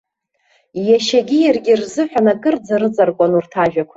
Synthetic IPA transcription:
jaʃaɡʲijarɡʲirzɨħʷᶣanakʼɨrd͡zaɾɨd͡zʼarkʷʼanurtʰaʒᶣakʷʰa

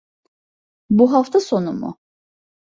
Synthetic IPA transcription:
buɦaft̪ʰaso̞numṵ

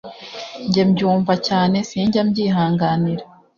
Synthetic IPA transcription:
ɲɟemɟuːɱvacaːne̞siːɲɟamɟiːɦaːŋɡaniɾa

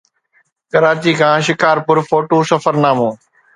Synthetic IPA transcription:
kɐɾaːt͡ɕiːkʰãːʃɪkaːɾpʊɾfoːʈoːsɐfəɾnaːmõː

